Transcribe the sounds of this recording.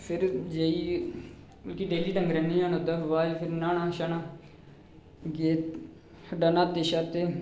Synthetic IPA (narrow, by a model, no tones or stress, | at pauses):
pʰɪɾd͡ʒeːiː | əlkiːɖeːliːʈəŋɡɾɛniːaːnod̪aʋaːpʰɪɾnaːnaːʃaːnaː | ɡeːt̪ | ɖanaːt̪eːʃaːt̪eː